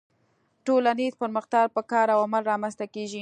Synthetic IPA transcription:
ʈolanezpəɾməxt̪ɑɡ̚pəkɑɾawamalɾɑmanst̪akeʒi

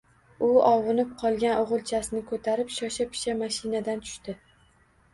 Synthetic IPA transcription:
ʊɒwɨnɪp̚qʰɒlˠɡʲanʔoʁɨlˠt͡ʃʰasɪnɪkʰɵt̪ʰaɾɪpʃɒʃapʰɪ̥ʃamaʃɪnad̪ant̪ʰʊ̥ʃt̪ɪ

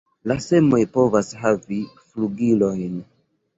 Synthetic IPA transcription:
lase̞mojpo̞vashavifluɡilojn

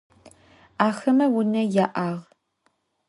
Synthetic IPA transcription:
aːxɐmɐwʊnɐjaːʔaːʁ

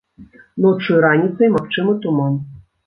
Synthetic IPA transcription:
nɔt͡ʂɨjɾanʲit̪sɐjmɐkt͡ʂɨmət̪uman

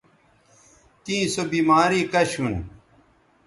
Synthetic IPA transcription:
t̪ĩːsobiːmaːɾiːkɐɕun

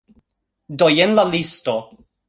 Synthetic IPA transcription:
dojenlalisto

